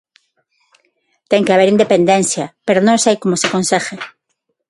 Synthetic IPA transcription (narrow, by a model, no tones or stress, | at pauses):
t̪eŋkeaβ̞eɾind̪epend̪ẽnθjɐpeɾonõŋsajkomoseakonsexe